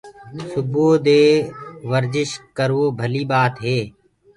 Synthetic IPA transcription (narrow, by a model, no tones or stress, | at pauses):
sʊboːd̪eːʋəɾzɪʃkəɾoːbʱəliːbaːt̪ɦeː